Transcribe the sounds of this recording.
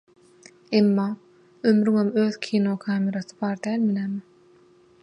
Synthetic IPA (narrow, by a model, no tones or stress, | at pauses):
emːɑː | ømɾyŋomø̞ːðkʲʰiːnokʰɑːmʲeɾɑθɯ̥bɑːɾd̪æːlminæːm